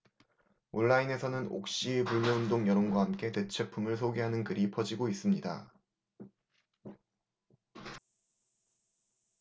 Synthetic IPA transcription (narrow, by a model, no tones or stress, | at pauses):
oɭːaine̞sʰʌnɯno̰k̚ɕ͈ipuɭmjʌɯndoŋjʌɾonɡwaɦamk͈e̞te̞t͡ɕʰwe̞pʰumɯɭsʰoɡeɦanɯnkɯɾipʰʌd͡ʑiɡois͈ɯmɲida̰